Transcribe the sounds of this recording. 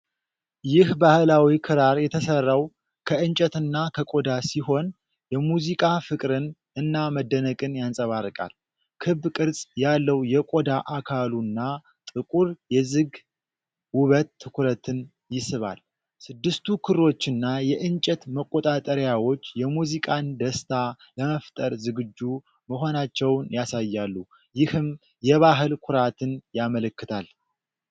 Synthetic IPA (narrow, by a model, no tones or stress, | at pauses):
jɪhbahlawikʰɨɾaɾjɛt̪ʰəsərːaw | kʰəɨnt͡ʃʼɛt̪ɨnːakʰəkʼod̪asiɦo̞n | jɛmuzikʼafɨkʼɾɨn | ɨnːaməd̪ːənəkʼɨnjansʼəβarɨkʼa̰l | kʰɨβkʼɨɾsʼjalːəwjɛkʼo̞d̪aʔakʰalunːa | t̪ʼɨkʼuɾjɛzɨɡ | wʊβət̪ʰːɨkʰɾət̪ʰɨn | jɪsɨβa̰l | sɨd̪ːɨst̪ʰukʰɨro̞t͡ʃːɪnːajɛʔɨnt͡ʃʼɛt̪məkʼːot̪ʼat̪ʼəɾjawo̞t͡ʃːjɛmuzikʼand̪əst̪ʰa | ləməft̪ʼəɾzɨɡɨd͡ʒːu | məɦo̞nat͡ʃːɛwnjasajːalːu | jɪhɨm | jɛβaɦɨlkʰʊɾat̪ʰɨnjamələkːɨt̪ʰal